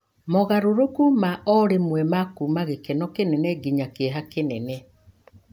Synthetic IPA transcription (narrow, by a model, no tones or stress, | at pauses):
mɔɣaɾoɾokumaʔɔɾemwɛmakumaɣekɛnɔkenɛnɛɡiɲakeɦakenɛnɛ